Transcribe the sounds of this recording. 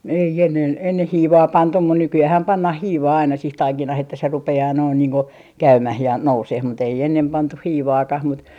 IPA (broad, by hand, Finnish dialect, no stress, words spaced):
ei enːen enːeh hiːʋɑː pɑntum mun nykyæːhæm pɑnːɑh hiːʋɑː ɑinɑ sih tɑikinɑh etːæ se rupeɑː noin niːŋ ku kæymæh jɑ nouseh mut ei enːem pɑntuh hiːʋɑːkɑh mut